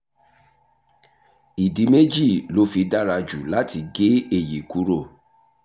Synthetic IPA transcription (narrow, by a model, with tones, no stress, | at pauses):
i˨di˨˦me˦d͡ʒi˦˨lo˦fi˧da˦ɾa˧d͡ʒu˨la˦ti˧ɡe˦e˦˨je˨ku˨˦ɾo˦˨